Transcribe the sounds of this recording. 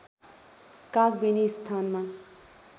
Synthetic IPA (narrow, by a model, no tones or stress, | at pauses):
kak̚benist̪ʰanma